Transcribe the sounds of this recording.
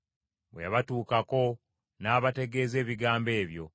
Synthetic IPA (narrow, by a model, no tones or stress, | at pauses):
weβatuːkako̞ | naːβate̞ɡe̞ːze̞ːβiɡaːmbe̞ːβjo̞̰